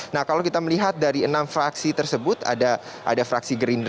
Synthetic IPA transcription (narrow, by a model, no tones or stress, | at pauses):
nahkalawkit̪aməliɦat̪̚daɾiənamfɾaksit̪ərsəbʊt̪a̰da | ʔa̰dafɾaksiɡəɾin